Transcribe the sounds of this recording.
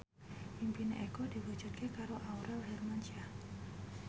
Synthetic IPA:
ʔimpineʔekɔdiwu̥d͡ʒṳt̪̚kekaɾoʔauɾɛlɦɛrmaɲt͡ʃia

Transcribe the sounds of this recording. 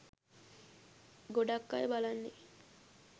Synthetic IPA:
ɡoɖakːajbalanːe

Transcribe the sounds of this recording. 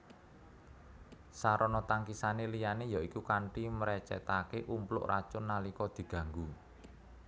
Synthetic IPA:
saɾɔnɔt̪aŋkisanelijanejaikukaɳʈiməɾɛt͡ʃɛ̰t̪akeʔumplʊ̰ʔra̰t͡ʃʊnːalikɔd̪̥i̤ɡ̥ä̤ŋɡu

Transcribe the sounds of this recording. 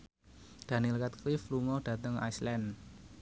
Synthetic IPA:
d̥a̤nilkat̪̚klɪfluŋɔɖ̥ä̤t̪əŋa̰jslɛn

